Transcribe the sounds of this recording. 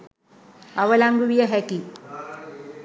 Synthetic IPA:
aʋəlaŋɡuʋijəɦɛki

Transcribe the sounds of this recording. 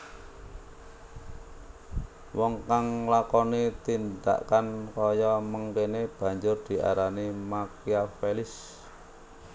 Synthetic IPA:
wɔŋkaŋlakɔnit̪ind̪a̰ʔkankɔjɔməŋkeneb̥ä̤ɲd͡ʒʊrd̪̥i̤ʔa̰ɾanimakiafelɪs

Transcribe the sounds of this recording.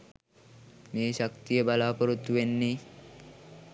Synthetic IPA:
meːɕak̚t̪ijəbalaːpəɾut̪ːuʋenːi

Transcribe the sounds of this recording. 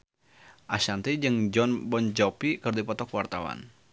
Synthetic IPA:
ʔaʃant̪id͡ʒɨŋd͡ʒɔnbɔnd͡ʒɔpikɨrdipɔt̪ɔkwart̪awa̰n

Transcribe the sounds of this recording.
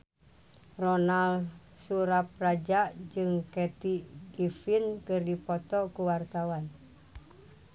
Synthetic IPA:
rɔnal | suɾap̚rad͡ʒaʔd͡ʒɨŋkɛt̪iɡifinkɨrdipɔt̪ɔkuwart̪awan

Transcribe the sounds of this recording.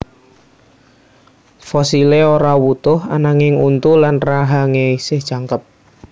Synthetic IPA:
fɔsileoɾawut̪ʊha̰naŋɪŋunt̪ulanraɦaŋesɪhʒ̥aŋkəp̚

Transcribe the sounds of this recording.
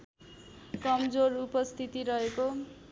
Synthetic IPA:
kʌmd͡zorupʌst̪ʰit̪iɾʌɦeko

